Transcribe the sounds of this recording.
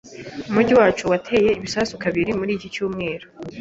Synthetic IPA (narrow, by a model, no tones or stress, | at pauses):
umuɟiwaːt͡ʃuwatʰe̞ːje̞iβisaːsukaβiɾimuɾiːcit͡ʃuːmŋe̞ːɾo